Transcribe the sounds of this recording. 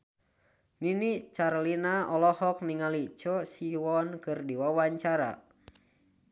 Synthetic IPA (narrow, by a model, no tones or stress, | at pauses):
ninit͡ʃarlinaɔlɔhɔk̚niŋalit͡ʃɔsiwɔnkɨrdiwawaɲt͡ʃaɾa̰